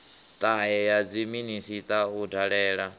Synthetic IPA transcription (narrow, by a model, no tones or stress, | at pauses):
t̪ʼaɛjad͡ziminisit̪ʼaudaɺɛːɺa